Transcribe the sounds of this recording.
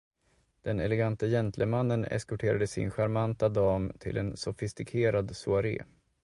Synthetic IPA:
d̪̥ɛnɛlɛɡant̪ajɛnt̪ləmanːənɛ̰skɵʈʰeːɾad̪əsɪ̰nɧaɾmant̪ad̪ɑːmt̪ʰɪ̰lʔɛ̰nsɔfɪst̪ɪkʰeːɾad̪sʊaɾḛː

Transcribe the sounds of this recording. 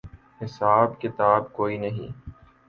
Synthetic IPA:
hɪsaːbkɪt̪aːb̚koːinɐɦḭ̃ː

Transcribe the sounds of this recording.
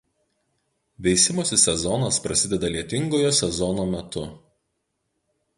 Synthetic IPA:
ʋʲɛɪsʲɪmoːsʲɪsʲɛzɔnɐspɾɐsʲɪd̪ʲɛd̪ɐlʲiɛt̪ʲɪŋɡoːjoːsʲɛzɔnoːmʲɛt̪ʊ

